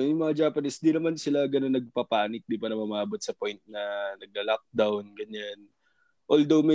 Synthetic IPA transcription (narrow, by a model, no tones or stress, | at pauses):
jʊŋmɐŋad͡ʒaːpɐnɪsd̪inɐmansɪlaɡɐnonːɐɡ̚pɐpaːnɪk̚d̪ɪpaːɾɐmɐmɐaːbot̪̚sɐpo̞jnt̪̚nɐnɐɡ̚lɐlak̚d̪awnɡɐɲan | ʔold̪owmɛ